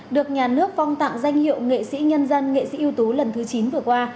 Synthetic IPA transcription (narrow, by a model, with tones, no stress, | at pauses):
ɗɨ˨˩ək̚ɲaː˨˩nɨ˦˥ək̚fa˧wŋ͡mt̪a̰ː˧˨ŋza˧jŋ̟hḭ˧˨əwŋḛ˧˨sḭ˧˥ɲə˧nzə˧nŋḛ˧˨sḭ˧˥ʔi˧ə˧wt̪o˨˦lə˨˩nt̪ʰɨ˨˦t͡ɕi˨˦nvɨ˨˩əkwaː˧